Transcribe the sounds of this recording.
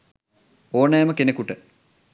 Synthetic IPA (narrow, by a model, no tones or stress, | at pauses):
oːnɐjɐməkenekuʈə